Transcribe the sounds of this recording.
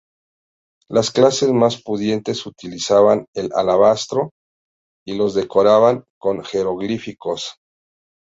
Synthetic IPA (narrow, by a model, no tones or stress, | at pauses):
lasklase̞zmaspuðje̞nt̪e̞sut̪ilisaβane̞la̰laβast̪ɾo̞ | ilo̞zðe̞ko̞ɾaβaŋko̞ŋxe̞ɾoɣlifikos